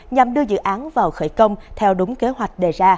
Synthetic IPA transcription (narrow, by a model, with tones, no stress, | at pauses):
ɲa˨˩mɗɨ˧əzɨ̰˧˨ʔaː˨˦nvaː˨˩wxəː˧˩jkə˧wŋ͡mt̪ʰɛ˧wɗʊ˨˦ŋ͡mke˨˦ɦwa˨˩jk̟̚ɗe˨˩zaː˧